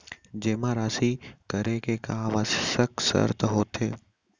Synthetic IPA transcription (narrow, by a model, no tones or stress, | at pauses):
d͡ʒeːmaɾaːsikəɾekekaːʋaːssəksə̰ɾt̪ɦoːt̪ʰeː